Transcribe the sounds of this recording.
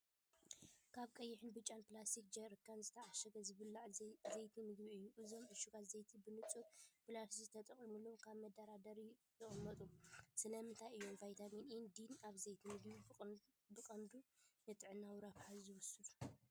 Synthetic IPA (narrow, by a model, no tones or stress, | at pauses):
kʰaβkʼɐjːɪħɨnbɨt͡ʃʼanpɨlast̪ʰik̚d͡ʒɐɾɨkʰːanzɨt̪ʰɐʕaʃɐɡɐzɨβɨlːaʕzɐjt̪ʰimɨɡbiɨjːuʔɨzo̞mʕɨʃuɡat̪zɐjt̪ʰibɨnɨt͡sʼut̪pɨlasizɨt̪ʰɐt̪ʼɐχʼimulːomkʰaβmɐd̪ɐɾad̪ɐɾit̪ɨχʼɨmːɐt̪ʼumsɨlɐmɨnt̪ʰajɨjːo̞mvajt̪ʰaminɨnd̪inaβzɐjt̪ʰmɨɡbi | bɨkʼɐnd̪unɨt̪ʼɨʕɨnːawɾafħazɨwʊsud̪